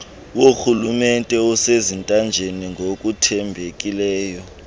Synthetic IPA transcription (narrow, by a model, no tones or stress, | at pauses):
woxulumɛntʼɛɔsezintʼand͡ʒʱeniŋʱokʼutʰɛmbʱekʼilɛːjɔ